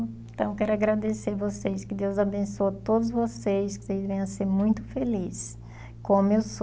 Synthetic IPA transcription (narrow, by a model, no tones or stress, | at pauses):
ẽt̪ɐ̃w̃kɛɾʊaɡɾad̪eseɾvosejskɪd̪ewzabẽsoɐt̪od̪ʊzvosejsko̥sejzvẽj̃ɐseɾmũj̃t̪ʊ̥felis | kõmews